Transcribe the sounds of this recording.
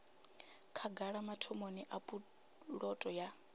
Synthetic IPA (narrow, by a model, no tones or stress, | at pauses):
kʰaɡaɺamatʰɔmoniʔapʼu | ɺɔtʼɔja